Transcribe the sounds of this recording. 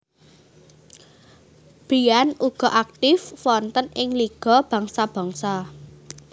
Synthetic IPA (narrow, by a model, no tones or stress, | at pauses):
b̥ijanuɡ̥ɔ̤ʔak̚t̪ɪfwɔnt̪ənɪŋliɡ̥ɔ̤b̥ä̤ŋsab̥a̤ŋsa